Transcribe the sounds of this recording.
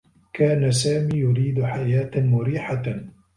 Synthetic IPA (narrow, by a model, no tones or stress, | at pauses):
kaːnasaːmiːjʊɾiːd̪ħajaːt̪mʊɾiːħa